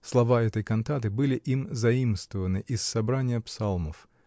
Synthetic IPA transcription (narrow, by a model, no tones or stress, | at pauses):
slˠɐvaɛt̪əjkɐnt̪at̪̬ɨbɨlʲɪʔimzɐimst̪vəvənɨʔɪsːɐbɾanʲɪjəpsalˠməf